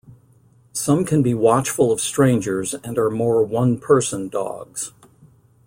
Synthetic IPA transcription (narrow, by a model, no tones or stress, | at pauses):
sʌ̃mkʰɨ̃nbiwɑt͡ʃfəl̩ˠʌv̥stɹ̥ẽɪ̃nd͡ʒə˞zɨ̃nə˞mɔɹwʌ̃npʰɜ˞sə̃ndɔ̰ɡz̥